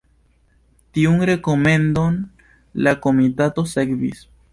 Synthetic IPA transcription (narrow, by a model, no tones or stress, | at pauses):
tiunɾe̞ko̞me̞ndo̞n | lako̞mitato̞sekvḭs